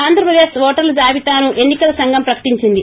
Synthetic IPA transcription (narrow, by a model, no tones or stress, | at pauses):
aːnd̪ɾɐpɾɐd̪eːsʋɔːʈɐɾlɐd͡ʒaːʋit̪aːnuʔe̞nːikɐlɐsɐŋɡʱɐmpɾɐkɐ̥ʈiɲt͡ʃind̪i